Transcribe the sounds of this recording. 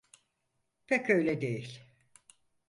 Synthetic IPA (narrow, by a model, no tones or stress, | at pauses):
pʰɛcøjlʲɛd̪ejilʲ